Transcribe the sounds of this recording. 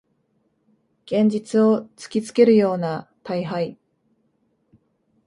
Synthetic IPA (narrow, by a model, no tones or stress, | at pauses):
ɡ̥ẽ̞ɲ̟d͡ʑit͡sɨo̞t͡sɨ̥kʲit͡sɨ̥ke̞ɾɯ̟jo̞ːnat̪aiɦai